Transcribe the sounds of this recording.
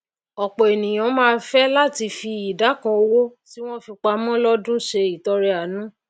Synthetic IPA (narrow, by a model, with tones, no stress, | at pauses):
ɔ˨k͡pɔ˨e˨nĩ˨j̃ã˨˦mãː˦˧˦fɛ˦la˦ti˧fi˧i˨da˨˦kã˧o˧wo˦ti˦w̃ɔ̃˦fi˧k͡pa˧mɔ̃˦lɔ˦dũ˦ʃe˧i˨tɔ˧ɾɛ˧a˨nũ˨˦